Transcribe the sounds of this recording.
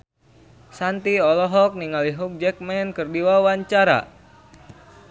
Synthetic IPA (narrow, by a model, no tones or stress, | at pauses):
sant̪iɔlɔɦɔk̚niŋaliɦuk̚d͡ʒɛk̚mɛnkɨrdiwawaɲt͡ʃaɾa̰